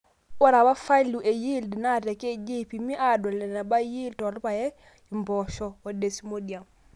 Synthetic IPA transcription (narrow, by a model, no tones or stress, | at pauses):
waɾabafaluʔejildinateked͡ʒipimiʔadolɛnabajiːltolupajɛ | imbɔʃɔwodesimodiam